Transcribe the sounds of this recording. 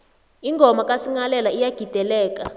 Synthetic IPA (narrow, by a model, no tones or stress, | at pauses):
iŋɡʱɔmakʼasiŋalɛlaijaɡ̥ʱid̥ʱɛlɛːk̬ʼa